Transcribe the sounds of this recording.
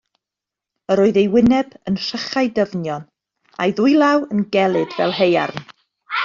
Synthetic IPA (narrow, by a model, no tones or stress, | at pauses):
əɾoːɨðejwɪnɛbənr̥əχajdəvnjɔn | a̰jðuɨjlˠawənɡɛlˠɨdvɛ̰lˠɦeja̰rn